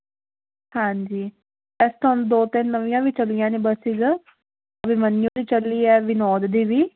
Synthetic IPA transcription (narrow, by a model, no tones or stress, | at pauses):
hãːɲd͡ʒiː | ɛst̪ʰoːnũːd̪oːt̪ɪnːəʋĩjãːʋiːt͡ʃəlɪjãːneːbəsiɡə | əbimənɪjõːd̪iːt͡ʃəliːɛːʋɪnɔːd̪d̪iːʋiː